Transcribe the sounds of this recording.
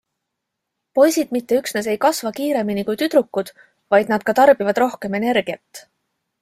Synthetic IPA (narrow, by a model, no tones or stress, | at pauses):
po̞jsid̪̥mit̪ːe̞yksnes̬e̞jkɑsvɑkiːɾe̞minikujt̪yd̪̥ɾukˑːud̪̥ | vɑjd̪̥nɑd̪̥kɑt̪ɑrb̥ivɑd̪ro̞hke̞me̞ne̞rɡ̥iɑt̪ːˑ